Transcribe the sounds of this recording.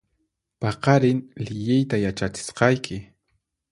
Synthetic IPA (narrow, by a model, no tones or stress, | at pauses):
pɑqɑɾɪnlɪʎɪjt̪ajat͡ʃat͡ʃɪ̥sqɑjkʰɪ